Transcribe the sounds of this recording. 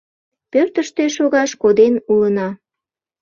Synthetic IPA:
pørt̪əʃt̪eʃoɣɑʃkod̪enulənɑ

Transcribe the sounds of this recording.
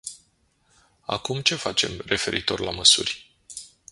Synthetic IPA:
a̰kumt͡ʃe̞fat͡ʃe̞̰mre̞fe̞ɾʔit̪o̞rlaməsurʲ

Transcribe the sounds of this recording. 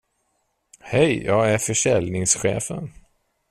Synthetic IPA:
hɛjjɑːɡæɾfœʂɛlnɪŋsɧḛːfə̰n

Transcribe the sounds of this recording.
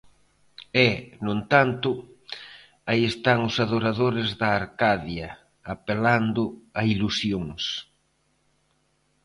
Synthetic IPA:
ɛnont̪ant̪ʊ | aiest̪aŋʊsaðoɾaðoɾɪzðɐːɾkaðjɐ | apeland̪ʊailusjoŋs

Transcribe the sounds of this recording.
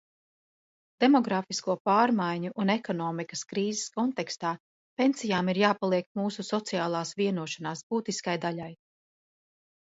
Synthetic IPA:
d̪̥e̞mɔɡɾaːfiskuɔpaːɾmajɲuʔunɛkɔnɔːmikɐ̥skɾiːzɛskɔnt̪ɛkst̪aː | pe̞nsijaːmiɾjaːpalˠiɛkmuːsusɔt̪sijaːlˠaːsviɛnuɔʃanaːsb̥uːt̪iskajd̪alaj

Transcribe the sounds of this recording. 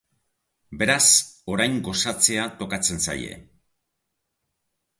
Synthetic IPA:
be̞ɾaso̞ɾajŋɡo̞sat͡se̞at̪o̞kat͡se̞nsa̰je̞̰

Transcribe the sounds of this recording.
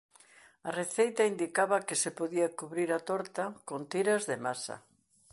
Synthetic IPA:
ɐreθejt̪ɐind̪ikaβɐkɪsepoðiakuβɾiɾat̪ɔɾt̪akont̪iɾɐzðemasɐ̰

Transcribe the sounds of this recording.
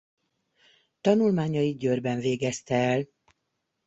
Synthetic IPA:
t̪ɒnulmaːɲɒjid̪̚ɟørbɛɱveːɡɛst̪ɛːl

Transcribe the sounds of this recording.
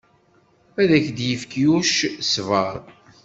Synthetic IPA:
æðæçd̪jəfkjuʃsvəɾˤ

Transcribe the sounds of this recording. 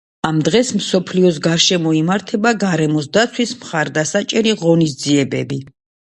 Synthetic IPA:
amd̪ʁɛsmsɔpʰliɔs̬ɡaɾʃɛmɔimaɾt̪ʰɛbaɡaɾɛmɔsd̪at̪sʰwismχaɾd̪asat͡ʃʼɛɾiʁɔnisd̪ziɛbɛ̰bi

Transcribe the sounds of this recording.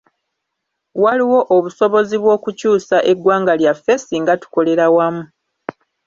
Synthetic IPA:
waliwo̞ʔoβuso̞βo̞ziβwo̞ːkucuːsaʔe̞ɡwaːŋɡaljafesiŋɡatu̥ko̞le̞ɾawamu

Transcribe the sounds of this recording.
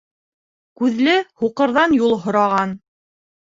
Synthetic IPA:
kʉðlɘhuqɤ̆ɾðɑnjulˠɦŏɾɑʁɑn

